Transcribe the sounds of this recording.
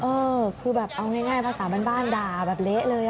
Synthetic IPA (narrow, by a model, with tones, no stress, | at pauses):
ʔɤː˧kʰɯː˧bɛː˨˩p̚ʔa˧wŋaː˥˩jŋaː˥˩jpʰaː˧saː˩˦maː˧nbaː˥˩ndaː˨˩bɛː˨˩p̚le˦˥ʔlɤː˧j